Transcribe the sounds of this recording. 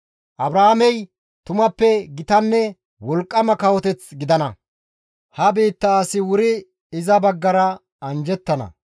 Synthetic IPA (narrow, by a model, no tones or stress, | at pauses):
ʔɐbɾaamɛj | t̪ʊmɐpːɛɡɪt̪ɐnːɛ | wɔlkʼːɐmɐkɐwɔt̪ɛt͡sɡɪd̪ɐnɐ | hɐbiːt̪ːɐːsɪwʊɾɪ | ɪzɐbɐɡːɐɾɐ | ɐnd͡ʒɛt̪ːɐnɐ̰